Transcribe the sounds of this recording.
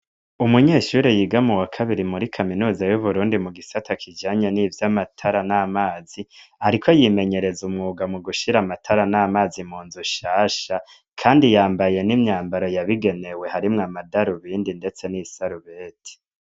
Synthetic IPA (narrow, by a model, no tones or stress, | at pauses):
umuɲeːʃuːɾejiːɡamuwakʰaβiɾimuɾikʰaminuːzajuβuɾuːndimuɡisatʰakʰid͡ʒaːɲeniːvjamatʰaɾanamaːz̥ihaɾikʰo̞jime̞ɲe̞ɾe̞zumŋuːɡamuɡuʃiɾamatʰaɾanamaːzimuːnzuʃaːʃa | kʰaːndijaːmbaje̞nimɲaːmbaɾo̞jaβiɡe̞ne̞we̞haɾimŋamadaɾuβiːndinde̞t͡se̞nisaɾuβeːtʰi̥